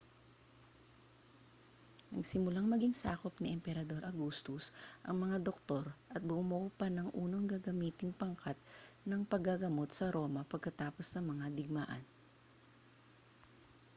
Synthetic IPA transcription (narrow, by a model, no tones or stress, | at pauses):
nɐɡsɪmʊlaŋmɐɡiŋsa̰ːkopnɐʔɛmpɛɾɐd̪o̞ɾʔɐɡuːst̪ʊsʔɐ̰ŋmɐŋad̪ok̚t̪o̞ɾʔɐt̪̚bʊmoʔupɐnɐŋʔṵːnoŋɡaɡɐmiːt̪ɪŋpɐŋkat̪̚nɐŋpɐɡaɡɐmo̞t̪sɐɾo̞ːmɐpɐɡ̚kɐt̪aːpo̞snɐmɐŋad̪ɪɡ̚ma̰ːʔɐ̰n